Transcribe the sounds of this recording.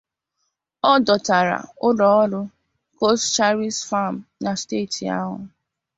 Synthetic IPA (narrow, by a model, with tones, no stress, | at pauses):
ɔ˦dɔ˨ta˨ɾa̰˨ʊ˦dɔ˦ɔ˦dʊ˦ | ko˦stt͡ʃa˦ɾi˦sfa˦˨m̩˨na˨ste˦˨tʰi˨a̰˦ɦʊ̰˨